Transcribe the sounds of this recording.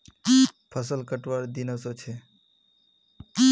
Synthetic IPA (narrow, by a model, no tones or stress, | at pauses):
pʰəsəlkəʈʋaɾd̪inəsot͡ʃʰe